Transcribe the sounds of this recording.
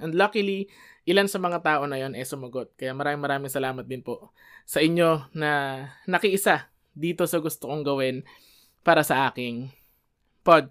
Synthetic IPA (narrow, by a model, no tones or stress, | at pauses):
ʔɐnd̪lokɐli | ʔɪlansɐmɐŋat̪aːʔo̞nɐjo̞nʔɛsʊmɐɡo̞t̪̚kɐjamɐɾaːmɪŋmɐɾaːmɪŋsɐlaːmɐt̪̚d̪ɪnpo | sɐʔɪɲːo̞nɐnɐkɪʔɪsa | d̪iːt̪o̞sɐɡʊst̪okoŋɡɐwɛn | paːɾɐsɐʔaːkɪŋ | pod̪̚